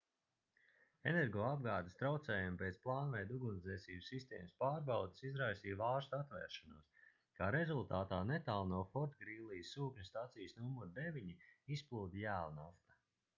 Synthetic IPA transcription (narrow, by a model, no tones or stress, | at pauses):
enɛɾɡɔːab̚ɡaːd̪est̪ɾawt̪sɛːjumpʲet̪splˠaːnvɛjd̪uɡuniɛsiːbsːist̪ɛ̰ːmspaːɾbawd̪i̥sizɾajsiːjvaːɾst̪at̪vɛ̰ːɾʃanṵɔs | kaːɾezulˠt̪aːt̪aːnet̪aːlˠnuɔfɔɾt̪ɡɾiːlˠijsːuːkɲist̪at̪sijsnumuɾd̪evʲiɲiisplˠuːd̪ijæːlˠnaft̪ḁ